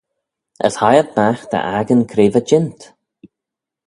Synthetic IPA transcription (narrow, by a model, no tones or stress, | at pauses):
ʔə̰shajət̪̚maxd̪ə̰ʔaɡənkʰɾeːvəd͡ʒɪnt̪